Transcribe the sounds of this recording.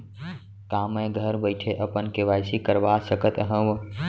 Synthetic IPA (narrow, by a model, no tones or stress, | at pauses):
kaːmẽɡʱəɾbəɪʈʰeʔəpənkeʋajsikəɾʋasəkət̪ɦə̃ʋ